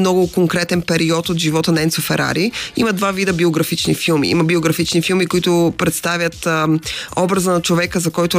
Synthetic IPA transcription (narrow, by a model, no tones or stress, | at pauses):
nɔɡʊkoŋkɾɛt̪ɛnpɛɾiɔt̪ot̪ʒivɔt̪ənɐɛnsofɛɾʔa̰ɾiimɐd̪vavid̪əbioɡɾɐfit͡ʃnifilˠmḭḭmɐbioɡɾɐfit͡ʃnifilˠmikʊit̪ʊpɾɛt̪st̪avjət̪ | ɔbɾɐzənɐt͡ʃovɛkəzɐkɔjt̪ʊ